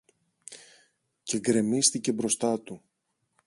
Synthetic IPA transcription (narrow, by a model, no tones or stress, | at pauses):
ce̞ɡɾe̞mist̪ice̞bɾo̞st̪ɐt̪u